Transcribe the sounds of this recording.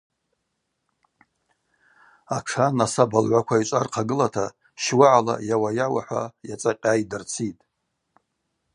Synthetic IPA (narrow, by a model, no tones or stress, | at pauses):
aʈ͡ʂʰanasabalʕʷakʷʰait͡ʃʷʼarqʰaɡɨlatʰa | ʃwaʕala̰jawajawaħʷa̰jat͡sʼaqʲʼajdɨrt͡sʰitʼ